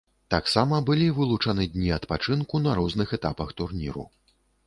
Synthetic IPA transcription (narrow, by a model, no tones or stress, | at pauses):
t̪aksamɐbɨlʲivɨlˠut͡ʂanɨd̪ʲnʲiɐt̪pat͡ʂɨnkunɐɾɔznɨxɛt̪apɐxt̪urnʲḭɾṵ